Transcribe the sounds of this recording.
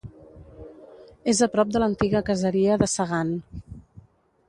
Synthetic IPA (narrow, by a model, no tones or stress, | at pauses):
ezəpɾɔp̚d̪ələnt̪iɣəkəzəɾiəðəsəɣan